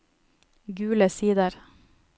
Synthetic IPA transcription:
ɡʉːləsiːd̪əɾ

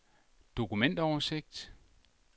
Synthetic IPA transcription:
d̥o̝kumen̰d̥ɐɒʊse̝ɡ̥̚d̥

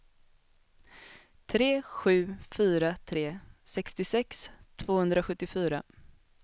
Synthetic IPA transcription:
t̪ʰɾeːɧʉ̟ːfyːɾat̪ʰɾeːsɛkst̪ɪsɛkst̪ʰvoːhɵnd̪ɾaɧɵt̪ːɪfyːɾa

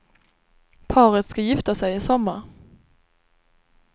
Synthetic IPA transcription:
pʰɑːɾət̪skajɪft̪asɛjɪsɔmːaɾ

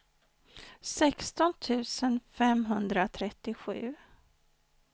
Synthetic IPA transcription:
sɛkst̪ɔnt̪ʰʉ̟ːsənfɛmɦɵnd̪ɾat̪ʰɾɛt̪ːɪɧʉ̟ː

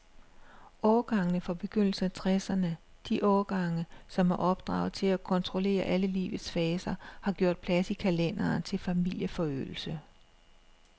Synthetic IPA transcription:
ʔɒːɡ̥ɑ̈ŋnəfɒ̽b̥e̝ɡ̥øn̰l̩sənæt͡sʰʁɛsɐnə | d̥iʔɒːɡ̥ɑ̈ŋəsɒ̽mhɑ̈ʔɒ̽b̥̚d̥ʁɑ̈ʊð̩ˠt͡sʰe̝lækʰɒ̽nt͡sʰʁo̝le̝̰ːɐʔæləlḭːʋð̩ˠsfɛːsɐhɑ̈ɡ̥jo̝̰ɐ̰d̥̚pʰlæsikʰælen̰ɐːnt͡sʰe̝lfæmil̰jəfɒ̽ø̰ːl̩sə

